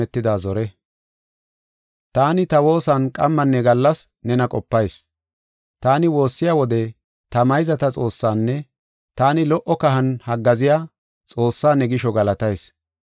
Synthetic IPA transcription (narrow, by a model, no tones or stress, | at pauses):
ɛt̪ːɪd̪aːzɔɾɛ | t̪aːnɪt̪ɐwo̞ːsɐnkʼɐmːɐnːɛɡɐlːɐs | nɛnɐkʼɔpːɐjs | t̪aːnɪwo̞ːsːɪjaːwɔd̪ɛ | t̪ɐmɐjzɐt̪ɐt͡sʼo̞ːsːaːnːɛ | t̪aːnɪlɔʔːɔkɐɦɐnhɐɡːɐzɪjaː | t͡sʼo̞ːsːaːnɛɡɪʃɔɡɐlɐt̪ɐjs